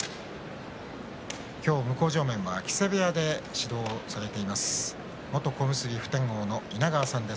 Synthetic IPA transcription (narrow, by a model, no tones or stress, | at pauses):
kʲo̞ːmɯ̟ko̞ːʑo̞ːmẽ̞ɰ̃βakʲi̥seβead̪e̞ɕid̪o̞ːsaɾe̞t̪e̞imasɨ̥ | mo̞t̪o̞ko̞mɯ̟sɨɾʲiɸɯ̟̥t̪ẽ̞ŋɡo̞ːno̞inaɡaːsãnd̪e̞s